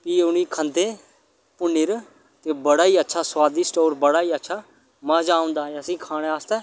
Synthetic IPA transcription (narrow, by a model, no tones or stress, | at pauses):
piːʊniːkʰənd̪eː | pʊnːɪɾ | t̪eːbəɽaːiːətːʃʰaːswaːd̪isʈoːɾbəɽaːiːətːʃʰaː | mãːd͡ʒaːʊ̃nd̪aːeəsĩːkʰaːɽ̃eːaːst̪ɛː